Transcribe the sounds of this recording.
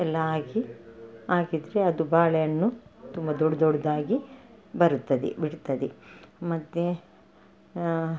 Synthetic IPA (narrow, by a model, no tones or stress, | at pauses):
ɛlːɐaːɡiaːɡid̪ɾeɐd̪ubaːɭɛjɐnːut̪umbɐd̪ɔɽd̪ɔɽɐd̪aːɡibɐɾut̪ːɐd̪ḛbiɽt̪ːɐd̪emɐt̪ːe